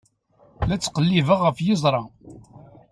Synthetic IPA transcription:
læt͡sːqəlːivəʁəfjɪzˤɾˤɑ

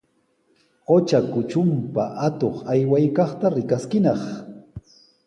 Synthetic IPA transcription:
ɢot͡ʃakʊt͡ʃʊmpaʔat̪oχajwajkɑχt̪aɾɪkaskɪnɑχ

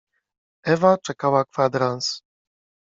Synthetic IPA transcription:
ɛvat͡ʂɛkawakfad̪ɾans

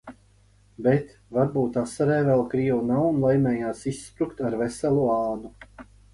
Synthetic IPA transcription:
bet̪ | vaɾbuːt̪asaɾɛːvɛlˠkɾiːwunawnlˠajmɛːjaːsisːpɾukt̪aɾvɛsɛlˠuaːnu

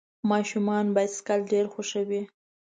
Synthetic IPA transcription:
mɑʃumɑnbɑjad̪skalɖeɾxoʃəwi

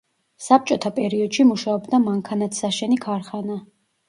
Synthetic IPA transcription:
sap̚t͡ʃʼɔt̪ʰapʼɛɾiɔd̪ʃimuʃaɔbd̪amaŋkʰanat̪ʰsaʃɛnikʰaɾχana

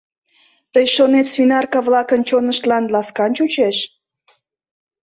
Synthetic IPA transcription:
t̪əjʃonet̪sfinɑrkɑβlɑkənt͡ɕonəʃt̪lɑnlɑskɑnt͡ɕut͡ɕeʃ

